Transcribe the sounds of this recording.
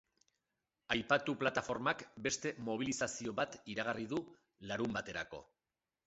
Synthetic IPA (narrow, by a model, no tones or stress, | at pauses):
ajpat̪uplat̪afo̞ɾmakbe̞st̪e̞mo̞β̞ilisasio̞βat̪iɾaɣ̞ariðu | laɾumbat̪e̞ɾa̰ko̞̰